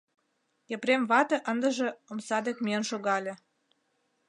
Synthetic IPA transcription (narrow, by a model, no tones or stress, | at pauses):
jəpɾemβɑt̪ə̆ʔənd̪əʒĕomsɑd̪ekmiənʃoɣɑlʲĕ